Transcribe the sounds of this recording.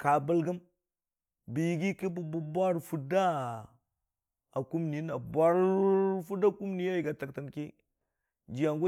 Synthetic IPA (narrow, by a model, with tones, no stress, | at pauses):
ka˨bə˦lɡə˦m | bi˨jɡi˦ki˦bu˨bu˨bʷa˦ɾfu˦da˦ | a˨ku˦mni˨˦na˨bʷa˦ɾfu˦da˦ku˦mni˦ja˦ji˨ɡa˨ta˨kta˨nki˦ | d͡ʒi˨ja˨ŋɡu˦